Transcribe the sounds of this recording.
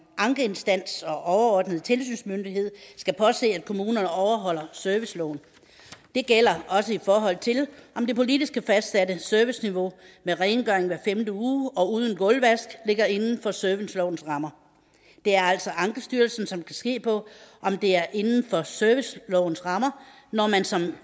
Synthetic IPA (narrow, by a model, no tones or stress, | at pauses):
ʔɑ̈ŋɡ̥əe̝nsd̥æn̰sɒ̽ʔɒʊɐɒːd̥nəð̞̩ˠt͡sʰe̝ls̬yːnsmønd̥iɦe̝ð̞̰ˠsɡ̥æpʰɒ̽se̝̰ːæd̥kʰo̝muːnɐnəɒʊɐɦɒ̽l̰ɐsœɐʋislɔʊ̰n̩ | d̥e̝ɡ̥el̰ɐɒ̽səifɒːɦɒ̽l̰t͡sʰe̝lʔɒ̽md̥e̝pʰo̝lid̥isɡ̥əfæsd̥sædəsøɐʋisniʋo̝meʁɛɪnɡ̥œɐ̰eŋʋæɐfemd̥əuːɒ̽uːð̞ˠn̩ɡ̥ɔ̽lʋæsɡ̥le̝ɡ̥ɐe̝nn̩fɒ̽søɐʋin̩slɒʊ̰n̩sʁɑ̈mɐ | d̥e̝æɐæl̰sɒ̽ʔɑ̈ŋɡ̥əsd̥yːɐlsn̩sɒ̽mkʰæsɡ̥e̝̰ːpʰɒ̽ʔɒ̽md̥e̝æɐʔe̝nn̩fɒ̽søɐʋislɒʊn̩sʁɑ̈mɐ | nɒmænsɒ̽m